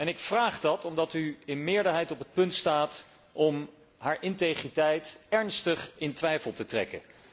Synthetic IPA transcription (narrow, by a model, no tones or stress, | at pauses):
ɛnɪkfraːχdɑtɔmdɑtyɪnmɪːɹdəɹɦɛjtɔpət̚pɵntstaːt | ʔɔm | ɦaːɹʔɪntejχritɛjtɛɹnstəχɪntʋɛjfəlˠtətrɛ̰kə̰